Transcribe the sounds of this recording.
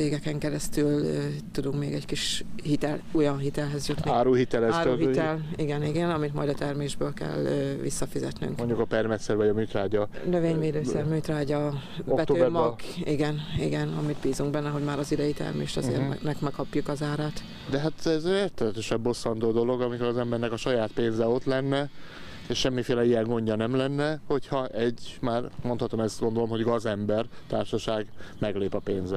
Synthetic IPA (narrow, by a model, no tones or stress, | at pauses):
eːɡɛkɛŋkɛɾɛst̪yløt̪ud̪uŋkmeːɡɛɟkiʃhit̪ɛlujɒnɦit̪ɛlɦɛzjut̪niaːɾuːhit̪ɛlɛːɾɦit̪ɛliɡɛniɡɛnɒmit̪mɒ̰jd̪ɒt̪ɛrmeːʒbøːlkɛ̰lːʋḭsːɒfizɛ̰t̪ny̰ŋkoɲɟukɒpɛrmɛt̪sɛɾvɒɟɒmyːt̪ɾaːɟɒnøveːɲveːd̪øːɛrmyːt̪raːɟɒ | boɛt̪oøːmɔɡiɡɛniɡɛnɒmid̪biːzuŋɡbɛnːɛɦo̞ɟmaːɾɒzid̪ɛjit̪ɛ̰rmḛːʃt̪ɒ̰zḛːr̰nɛkmɛkʰɒpjukɒzaːɾaːt̪ | d̪ɛɦaːt̪ɛzɛeːrt̪ɛlɛt̪ɛʃɛmbo̞sːɒnd̪oːd̪o̞lo̞ɡɒmikoɾɒzɛmbɛrnɛkɒʃɒjaːt̪peːnzɛo̞t̪lɛnːɛ | eʃʃɛmːifeːlɛijɛŋɡo̞ɲɟɒnɛmlɛnːɛho̞chɒʔɛɟmaːrmont̪hɒt̪o̞mɛst̪ɡo̞nd̪olo̞mɦo̞ɟɡɒzɛmbɛrt̪aːrʃɒʃaːɡmɛɡleːpɒpeːnzɛ